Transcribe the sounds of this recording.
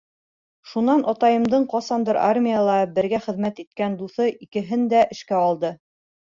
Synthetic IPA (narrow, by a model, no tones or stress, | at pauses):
ʃunɑnʔɑt̪ɑjɤ̆md̪ɤɴqɑsɑnd̪ɤɾʔa̰rmʲijalˠɑbɘ̆ɾɡæχɘ̆ðmæt̪it̪̚kænd̪uθɤʔikɘ̆ɦɘnd̪æʔɘ̆ʃkæɑlˠd̪ɤ